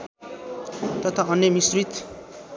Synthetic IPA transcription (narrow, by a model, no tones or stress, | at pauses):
t̪ʌt̪ʰaʌnjʌmisrit̪